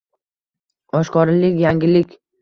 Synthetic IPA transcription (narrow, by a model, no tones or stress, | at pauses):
ɒʃkɒɾlɪkʲjaŋɡʲɪlɪkʲ